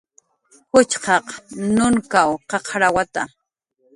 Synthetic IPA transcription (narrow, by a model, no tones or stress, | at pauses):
hʊt͡ʃqɑqnʊŋkawqɑqʰɾawat̪a